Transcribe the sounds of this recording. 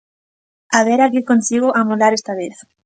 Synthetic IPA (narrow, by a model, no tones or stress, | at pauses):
aβeɾakɪkonsiɣoʔamolaɾest̪aβeθ